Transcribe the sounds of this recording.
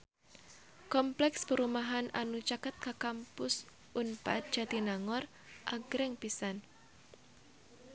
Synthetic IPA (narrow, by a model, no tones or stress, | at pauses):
kɔmplɛkspəɾumaɦanʔanut͡ʃakat̪̚kakampʊs | ʔunpa̰t̪̚d̥ʒ̥a̤d̪inaŋɔr | ʔaɡ̥ɾɛŋpisan